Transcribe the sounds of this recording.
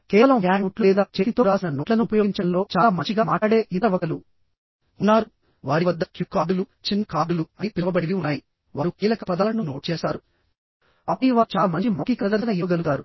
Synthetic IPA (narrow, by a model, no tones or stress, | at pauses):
kɛːʋɐlɐmjaːnuʈlulɛːd̪aːt͡ʃeːt̪it̪o̞ːɾaːsinɐnoːʈlɐnupɐjoɡiɲt͡ʃɐnlo̞ːt͡ʃaːamɐɲt͡ʃiɡaːmaːʈaːɽeːʔiɐʋɐkɐlu | unːaːɾu | ʋaːɾiʋɐd̪ːɐkjukːaːɖulut͡ʃinːɐkaːɖuluɐnipilɐʋɐbɐɽiniunːaːji | ʋaːɾukiːlɐkɐpɐd̪ɐlɐnuno̞ːʈ̚t͡ʃɛːsaːɾu | ɐpːuɽiʋaːt͡ʃaːmɐɲt͡ʃimokikɾɐd̪ɐɾsɐnɐjoːɡɐluɡ̪aːɾu